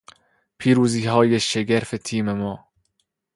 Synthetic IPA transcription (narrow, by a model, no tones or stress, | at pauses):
pʰiːɾuːziːɦɒːjeʃeɡeɾfet̪ʰiːmemɒː